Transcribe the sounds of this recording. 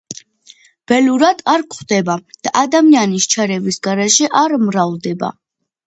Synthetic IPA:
b̥ɛluɾad̪̥aɾkχd̪ɛbad̪̥aʔad̪amianist͡ʃʰaɾɛvisɡaɾɛʃɛʔaɾmɾavd̪ɛba̰

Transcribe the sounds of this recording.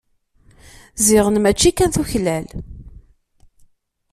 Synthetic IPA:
zɪʁənmæt͡ʃːikːænθuçlæl

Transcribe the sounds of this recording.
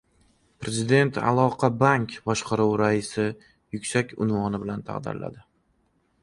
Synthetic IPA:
pɾe̞zɪd̪e̞nt̪ʰa̰lˠɒqʰɑbaŋkʲbɒʃqɑɾuwɾaɪsɪ | jʊkʲsakʲʊ̰nvɒnɪbɪlant̪ʰa̰qd̪ɪ̰ɾla̰d̪ɪ

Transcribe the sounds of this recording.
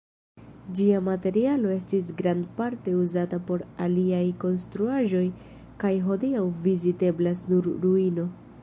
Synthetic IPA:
d͡ʒiamate̞ɾialo̞e̞stis̬ɡɾandpaɾte̞uzatapo̞ɾaliajko̞ns̬tɾuaʒo̞j | kajɦo̞diawvizite̞blasnuɾɾuino̞

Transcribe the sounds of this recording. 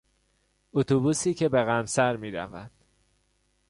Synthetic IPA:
ot̪ʰubuːsiːcʰe̞beɣæmsæɾmiːɾæ̰vænd̪̥

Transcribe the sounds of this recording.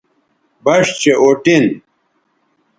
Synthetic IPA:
bɐʂt͡ɕeʔoʈin

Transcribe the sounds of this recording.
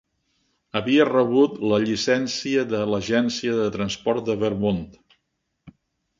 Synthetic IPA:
əβiərəβut̪ləʎisɛnsiəðələʒɛnsiəðət̪ɾənspɔɾt̪̚d̪əβəɾmont̪

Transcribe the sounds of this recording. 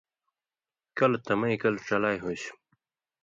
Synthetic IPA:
kɐlt̪ɐmɐikɐlʈ͡ʂɐlaːjɦoɕ

